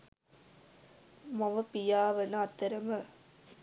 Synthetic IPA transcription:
mɔʋɐpijaːʋɐnɐɐt̪ːɐɾɐmɐ

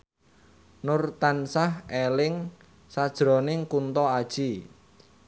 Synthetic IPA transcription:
nʊrt̪ansahelɪŋ | sad̥ʒ̥ɾɔ̤nɪŋkunt̪ɔad̥ʒ̥i

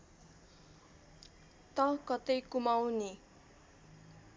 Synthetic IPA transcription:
t̪ʌkʌt̪ʌjkumawni

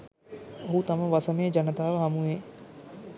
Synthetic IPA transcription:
ɦuːt̪ɐməʋɐsəmeːd͡ʒɐnət̪aːʋəɦɐmueː

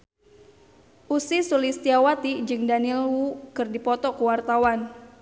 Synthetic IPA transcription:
ʔusisulist̪iawat̪id͡ʒɨŋdanilwukɨrdipɔt̪ɔkuwart̪awan

